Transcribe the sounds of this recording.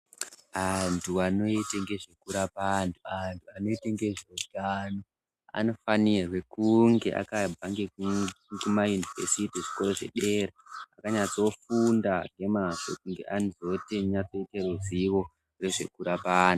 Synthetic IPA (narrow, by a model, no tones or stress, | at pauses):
antʰuano̞iteŋɡe̞ʐe̞kuɾapantʰuantʰuano̞iteŋɡe̞ʐodano | a̰no̞fanirwe̞kuŋɡe̞ʔa̰kabʱaŋɡekkumajunivesitiʐi̥ko̞ɾo̞ʐe̞̰ɗe̞ɾeakaɲat͡so̞fundaŋɡe̞maʃokuŋɡe̞̰ʔanizo̞teɲat͡so̞iteruziwo̞ | re̞ʐe̞kuɾapaːnu